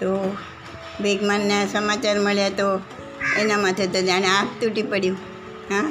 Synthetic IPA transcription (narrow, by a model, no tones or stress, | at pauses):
t̪o | ʋeɡmanːesəmat͡ʃaɾməɭjat̪o | enamat̪ʰet̪od͡ʒañeakt̪uʈipəɽjũ | ɦã